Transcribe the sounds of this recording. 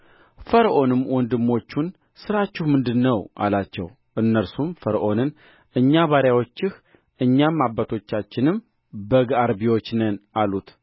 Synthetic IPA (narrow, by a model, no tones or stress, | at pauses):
fəɾəʔo̞nɨmwʔɔnd̪ɨmːo̞t͡ʃːun | sɨɾat͡ʃːɪhmɨnd̪ɨnːəwʔa̰lat͡ʃːɛ̰w | ʔɨnːəɾsumfəɾʔo̞nɨn | ʔɨɲːaβaɾjawo̞t͡ʃːɪh | ʔɨɲːamːabːat̪ʰo̞t͡ʃːat͡ʃːɪnɨm | bəɡaɾbiwo̞t͡ʃːnənʔalut̪